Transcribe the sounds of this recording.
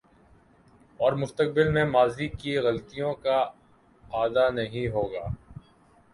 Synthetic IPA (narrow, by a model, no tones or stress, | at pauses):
ɔːɾmʊst̪ək̚bɪlmẽmaːzikiɣɐlt̪ijõka | aːd̪anɐɦĩɦoːɡaː